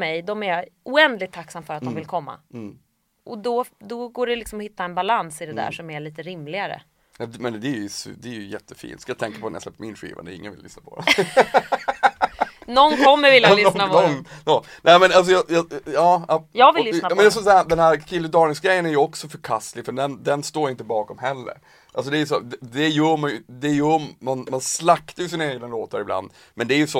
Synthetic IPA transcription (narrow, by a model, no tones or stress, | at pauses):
mɛjd̪ɔmæjuɛnd̪lɪɡ̚t̪ʰːakːsamfœɾat̪̚d̪ɔmvɪlkʰɔmːa̰ | ʔɔd̪ɔd̪ɔɡoːɖɛlɪksɔmɔhɪt̪ːaɛnbalansɪd̪ɛd̪æ̰ʂɔmæɭiːt̪əɾɪmlɪɡaɾə̰ | ɛmɛnd̪ɛæɾjsd̪ɛæɾjʉjɛt̪ʰːəfḭːnt̪skajɑt̪ʰɛŋkḁpʰɔnɛj̰slɛ̰pːt̪ːəmɪ̰nɧḭːva̰nəɪ̰ŋːə̰nvɪlʏ̰snapʰɔ̰ | nɔnkʰɔmːəɾvɪljalaɔnɔnʔɛɪmɛnals̬ɔjɑjɑjɑːjɑːɡvɪnːmɛnd̪ɛsɔsad̪ɛnhæɾkʰɪlːʊd̪ɑːlnɪŋsɡɾɛjːənæɾjɵɔksɔfœɾkʰast̪lɪɡfœɖɛnd̪ɛnst̪oːɾɪnt̪əbɑːkɔmɦɛlːə̰ɾ | ʔalsɔd̪ɛæːjəsɔ̰d̪ɛd̪ɛjœːɾmanjɵd̪ɛjœːmanmanslakt̪aɾjɵsɪnaeːɡnaloːt̪aɾɪbla̰nd̪ | mɛnd̪ɛæɾjɵsɔ